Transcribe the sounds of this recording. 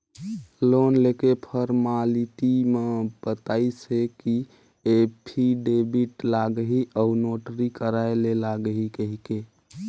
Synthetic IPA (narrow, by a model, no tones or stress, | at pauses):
lonlekepʰəɾmaliʈimebət̪aɪseki | epʰiɖebiʈlaɡəɦiʔəunoʈɾikəɾaelelaɡəɦikəɦike